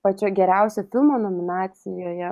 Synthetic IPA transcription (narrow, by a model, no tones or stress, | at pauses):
pɐt͡ʃʲoːɡʲɛɾʲɛʊsʲofʲɪlˠmoːnomʲɪnɑːsʲɪjoːjɛ